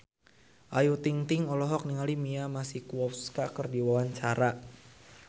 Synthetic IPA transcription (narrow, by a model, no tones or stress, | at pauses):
ʔajut̪iŋt̪ɪŋɔlɔɦɔk̚niŋalimiamasihkuɔpskakərdiwawant͡ʃaɾa